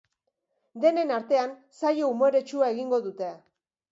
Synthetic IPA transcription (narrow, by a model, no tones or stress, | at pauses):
d̪e̞ne̞naɾt̪e̞ansajoumo̞ɾe̞t͡ʃuae̞ɣiŋɡo̞ðut̪e̞